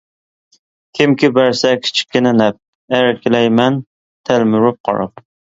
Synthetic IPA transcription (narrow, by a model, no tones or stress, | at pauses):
kʲʰɪmkʲʰɪbæɾsɛkʲʰi̥t͡ʃʰi̥k̚ʲːɪnɛnɛp̚ | æɾkʲʰɪlɛjmɛn | t̪ʰælmyɾʊp̚qʰɑ̰ɾɑ̰p̚